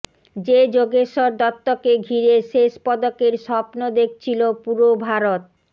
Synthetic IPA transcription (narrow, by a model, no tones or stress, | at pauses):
d͡ʑed͡ʑoɡeʃoɾd̪ɔt̪ːokeɡʱiɾeʃeʃpɔd̪okeɾʃɔpnod̪ek̚ʰt͡ɕʰilopuɾobʱaɾot̪̚